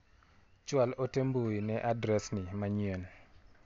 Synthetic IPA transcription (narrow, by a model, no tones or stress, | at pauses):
t͡ʃwalotemboinɛʔadɾɛsnɪmaɲien